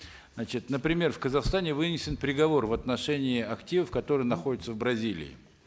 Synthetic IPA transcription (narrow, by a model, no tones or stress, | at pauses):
zat͡ɕɪt̪nəpɾʲɪmʲe̞rfkəzɐxst̪anʲɪvɨnʲɪsʲɪnpɾʲɪɡɐvo̞rvɐt̪nɐʂɛnʲɪːɐktʲivəfkɐt̪o̞ɾɨjənɐxo̞dʲɪt̪səvbɾɐzʲilʲɪ̰ɪ̰